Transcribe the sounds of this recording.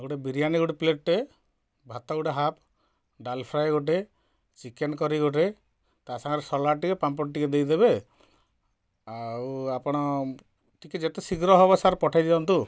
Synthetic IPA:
ɡoʈebiɾijaniɡuʈepleʈɾe | bʱat̪ɔɡuʈeɦap | ɖalpʰɾajɡoʈ̬e | t͡ʃikenkɔɾiɡoʈ̬e | t̪asaŋɔɾesɔlaʈikepampɔʈʈiked̪ejd̪ebe | awapɔɽ̃ɔ | ʈiked͡ʒet̪esiɡɾɔɦɔbɔsaɾpɔʈʰajd̪ibɔnt̪u

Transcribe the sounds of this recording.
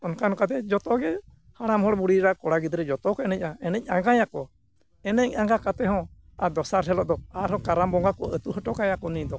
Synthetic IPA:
ɔnkanɔkat̪ɛd͡ʒɔt̪ɔɡɛ | haɽamhɔɽbuɽiɾakɔɽaɡid̪ɾɛd͡ʒɔt̪ɔkɔɛnɛc̚ˀaɛnɛc̚ˀaɡajakɔ | ɛnɛɲaŋɡakat̪ɛɦɔ̃ | ad̪ɔsaɾɦɛlɔʔd̪ɔaɾhɔ̃kaɾambɔŋɡakɔət̪uʔɦəʈɔkajakɔnid̪ɔ

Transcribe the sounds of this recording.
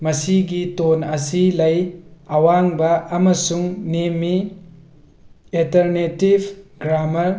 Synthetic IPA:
mɐsiɡitonɐsilɐjɐwaŋbɐɐmɐsuŋnemi | eltɐɾnetibʱɡɾamɐɾ

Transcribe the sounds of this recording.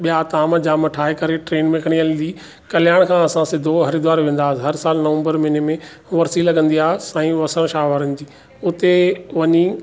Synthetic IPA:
ɓijat̪aːməd͡ʑaːmʈʰaːɦekɐɾeʈɾeːnmẽkʰəɽ̃iɐlɪ̃nd̪iː | kɐlɪjaːɽ̃kʰãɐsãsɪd̪ʱoɦɐɾid̪ʋaːɾʋẽːn̆d̪aːsɦɐɾsaːlnɐʋə̃mbəɾmɪnemẽ | ʋɐɾsilɐɠə̃nd̪iaːɦsãːĩʋɐsəɽ̃ʃaːʋəɾənɪ̆d͡ʑiː | ʊt̪eʋɐɲi

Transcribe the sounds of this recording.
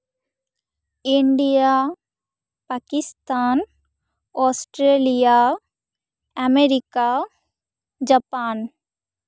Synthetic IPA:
ɪɳɖija | paːkɪst̪aːn | ɔsʈɾelija | ɛmeɾɪka | d͡ʒapaːn

